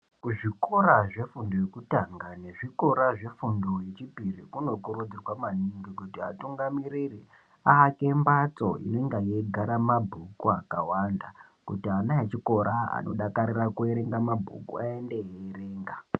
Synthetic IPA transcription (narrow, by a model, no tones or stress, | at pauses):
kuʐiko̞ɾaʐe̞fundojekutaŋɡane̞ʐiko̞ɾaʐe̞fundojet͡ʃipirikuno̞kuɾud͡zirwamaniŋɡiɡkutia̰tuŋɡamiɾiri | aːke̞mbat͡so̰ḭno̞iŋɡajeɡʱaɾamabʱukuakawanda | kutianaet͡ʃiko̞ɾʔaa̰no̞̰ɗakaɾirakueɾeŋɡamabʱṵkṵaendeɦere̞ːŋɡa